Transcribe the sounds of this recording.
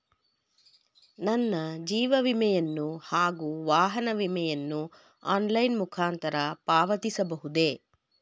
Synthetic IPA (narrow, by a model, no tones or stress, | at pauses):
nɐnːɐd͡ʒiːʋɐʋimɛjɐnːuhaːɡuːʋaːɦɐnɐʋimɛjɐnːu | aːnlɐjnmukʰaːnt̪ɐɾɐpaːʋɐt̪isɐbɐɦud̪e